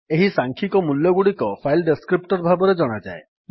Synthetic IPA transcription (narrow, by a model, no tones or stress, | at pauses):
eɦisaŋkʰikɔmuljɔɡuɽikɔpʰajlɖeskɾip̚ʈɔɾbʱabɔɾed͡ʒɔɽ̃ad͡ʒa̰e